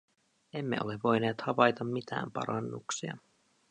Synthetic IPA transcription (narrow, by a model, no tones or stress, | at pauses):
e̞mːeʔo̞̰le̞ʋːo̞jneːt̪hɑʋɑjt̪ɑmːit̪æ̰ːmpɑ̰ɾɑnːṵksiɑ̰